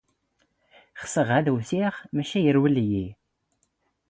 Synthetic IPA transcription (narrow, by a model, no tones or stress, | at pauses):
χsəʁæðwθiχmæʃæjəɾwəlji